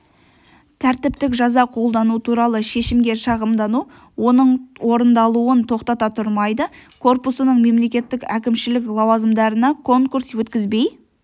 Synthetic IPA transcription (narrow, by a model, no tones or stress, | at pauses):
t̪ʰæɾt̪ɪpt̪ɪkʒɑzɑqʰo̞lˠd̪ɑnut̪ʰuɾɑlˠəʃe̞ʃɪmɡʲe̞ʃɑʁəmd̪ɑnu | wo̞nəɴwo̞ɾənd̪ɑlˠuənt̪ʰo̞qt̪ɑt̪ɑt̪ʰʊɾmɑjd̪əkʰo̞rpusənəɴme̞mle̞kʲe̞t̪ːɪkʲækʲɪmʃɪlɪklˠɑwɑzəmd̪ɑɾənɑkʰo̞ŋkuɾswɵt̪kʲɪzbe̞j